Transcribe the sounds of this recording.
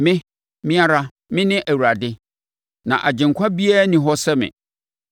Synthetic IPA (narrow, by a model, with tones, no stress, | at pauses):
mɪ̃˦ | mɪ̃˦a˦ɾa˦ | mɪ̃˦nɪ̃˦ʔæ˨wu˨ɾa˨dɪ˦ | nã̰˨ʔa˨d͡ʑɪ̃˨ŋ˨kʷʰa˦bi˦aː˦nĩ˨ɦɔ˦sɛ˦mɪ̰̃˨